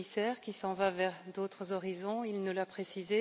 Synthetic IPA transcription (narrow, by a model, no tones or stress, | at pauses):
isɛːʁkʲisɑ̃vavɛʁd̪ot̪χəzɔʁizɔ̃ilnəlapχesize